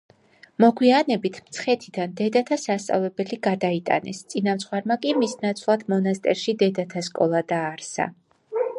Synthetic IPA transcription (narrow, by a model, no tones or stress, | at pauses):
mɔɡwianɛbit̪ʰmt̪sʰχɛt̪ʰid̪and̪ɛd̪at̪ʰasast̪sʼa̰vlɛbɛliɡad̪ait̪ʼa̰nɛ̰st̪sʼinamt̪sʰχwaɾmakʼimisnat̪sʰlˠad̪mɔnast̪ʼɛɾʃid̪ɛd̪at̪ʰaskʼɔlˠad̪aːɾsa̰